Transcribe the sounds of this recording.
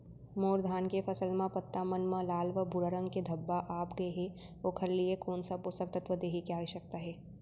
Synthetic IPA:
moːɾd̪ʱaːnkefʰɐsəlmãpɐt̪ːamɐnmãlaːlʋəbʱʊɾəɾə̃ŋɡked̪ʱɐbːaʔaːpɡɐeɦɛ | oːkʰɐɾliekoːnsapʊsək̚t̪ət̪ʋəd̪eːɦikaːiʃɐk̚t̪aɦɛː

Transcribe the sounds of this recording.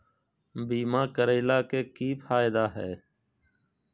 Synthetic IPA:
biːmãːkəɾeːlaːkeːkiːpʰaːɪd̪aːɦɛ̰ː

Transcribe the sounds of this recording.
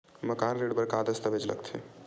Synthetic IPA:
məkanɾeɖbəɾkad̪əst̪əbed͡ʒlə̰kt̪ʰḛ

